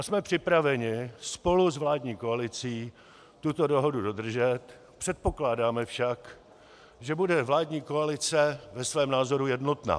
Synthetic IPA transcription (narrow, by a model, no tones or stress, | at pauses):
ʔasmɛpr̝̥ɪpɾavɛɲɪspo̞luzvlaːdɲiːko̞alɪt͡siː | t̪ut̪o̞do̞ɦo̞dudo̞d̪r̩ʒɛt̪ | pr̥ɛt̪̚po̞klaːdaːmɛfʃak | ʒɛbudɛvlaːdɲiːko̞alɪt͡sɛvɛsvɛːmnaːzo̞ɾujɛdno̞t̪na̰ː